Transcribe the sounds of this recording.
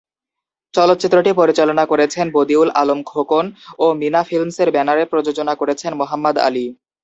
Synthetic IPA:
t͡ɕɔlot̪ːɕit̪ːɾoʈipoɾit͡ɕalonakoɾet͡ɕʰenbod̪iula̰lomkʰokonominafʰilmseɾbɛnaɾeɾpɾod͡ʑod͡ʑonakoɾet͡ɕʰenmoɦamːad̪a̰li

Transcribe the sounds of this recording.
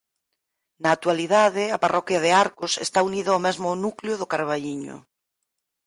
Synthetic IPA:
naːt̪waliðaðɪaparʔɔkjaðeaɾkʊsḛst̪auniðaomɛzmʊnukljʊðʊkaɾβ̞aʎiɲʊ̰

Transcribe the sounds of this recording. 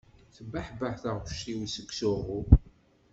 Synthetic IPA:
θəbːaħbəħθaʁʃiwisəkːsʊʁʊ

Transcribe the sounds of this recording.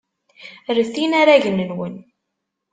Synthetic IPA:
rəθinaɾaʝənənwən

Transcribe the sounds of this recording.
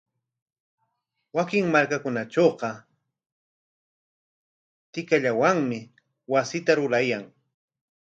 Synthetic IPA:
wakɪŋmaɾkakʊnaʈ͡ʂoːqɑ | t̪ɪkaʎawaŋmɪ | wasɪt̪aɾʊɾajaŋ

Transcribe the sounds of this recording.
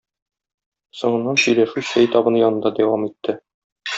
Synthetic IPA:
sŏɴɤ̆nːɑnsɵ̆jlæʃʉsæjt̪ɒbɤ̆njɒnɤ̆nd̪ɑd̪æwɑmit̪ːɘ

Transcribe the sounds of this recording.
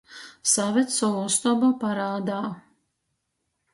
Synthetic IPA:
savʲɛt̪sɔɔst̪ɔbapaɾaːd̪aː

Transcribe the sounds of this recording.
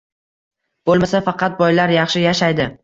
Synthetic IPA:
b̥olˠmasafɑqʰɑt̪̚bɒjlaɾjɑχʃɪjaʃajd̪ɪ

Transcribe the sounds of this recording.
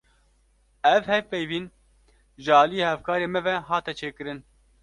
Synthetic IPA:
ɛvhɛvpɛjviːn | ʒɨɑːlijeːhɛvkɑːɾeːmɛvɛɦɑːt̪ɛt͡ʃʰeːkɨɾɨn

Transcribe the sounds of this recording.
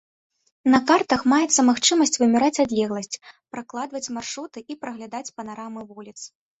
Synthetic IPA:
nɐkart̪ɐxmajɛt̪sːɐmaxt͡ʂɨmɐsʲt͡sʲvɨmʲɛɾat͡sʲad̪lʲɛɣlˠɐsʲt͡sʲpɾaklˠad̪vɐt͡sʲmarʂɾut̪ɨipɾɐɣlʲad̪at͡sʲpɐnaɾamɨvulʲit̪s

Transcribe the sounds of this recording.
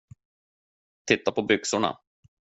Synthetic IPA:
t̪ʰɪt̪ːapʰɔbʏksʊɳa̰

